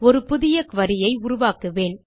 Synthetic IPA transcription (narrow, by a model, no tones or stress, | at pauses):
ɔɾɯpʊðɪjɐkʋɐɾɪjɐɪʊɾʊʋaːkɯʋeːn